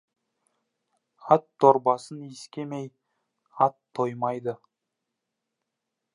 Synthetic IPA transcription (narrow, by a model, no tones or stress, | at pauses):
ɑt̪ʰːoɾbɑsəniskʲe̞mej | ɑt̪ʰːojmɑjd̪ə